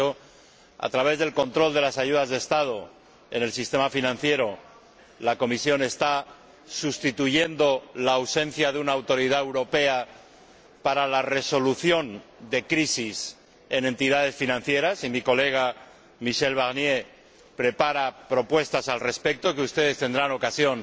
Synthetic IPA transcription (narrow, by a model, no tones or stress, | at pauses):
o | a̰t̪ɾaβe̞zðe̞lkõ̞nt̪ɾo̞ld̪e̞lasaʝuð̞azðest̪að̞o | e̞ne̞lsist̪e̞mafinãn̟θje̞ɾo̞ | lako̞misjo̞ne̞st̪a | sust̪it̪uʝe̞nd̪o̞laːwsẽ̞nθjaðeunaːwt̪o̞ɾiðaewɾo̞pe̞a | paɾalare̞so̞luθjo̞nd̪e̞kɾisis | e̞nẽ̞nt̪iðað̞e̞sfinãnθje̞ɾasimiko̞le̞ɣ̞a | miʃe̞lβ̞aɣnje̞ | pɾe̞paɾapɾo̞pwe̞st̪asalre̞spe̞k̚t̪o̞keust̪e̞ðe̞st̪e̞nd̪ɾano̞kasjo̞n